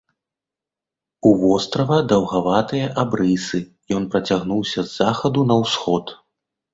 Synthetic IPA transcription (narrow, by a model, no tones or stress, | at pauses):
uvɔst̪ɾɐvɐd̪ɐwɣavat̪ɨjɐʔabɾɨsɨ | jɔn̪pɾɐt͡sʲaɣn̪uwsʲɐzːaxɐd̪unɐwsxɔt̪